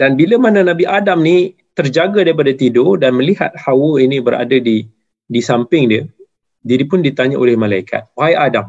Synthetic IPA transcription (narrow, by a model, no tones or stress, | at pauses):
d̥anbiləmanãnabiʔadamni | t̪ərd͡ʒaɡadaɾip̬adat̪idodanmə̃liɦa̰t̪̚hawəinĩbəɾa̰dadi | disampɪŋdiə | diɾipʊndit̪aɲaʔolɪhmãlaikʰa̰t̪̚waajadam